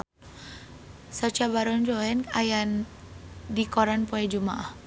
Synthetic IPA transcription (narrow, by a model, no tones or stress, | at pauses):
sat͡ʃabaɾɔnd͡ʒɔɛnajan | dikɔɾanpɔɛd͡ʒuma̰ʔah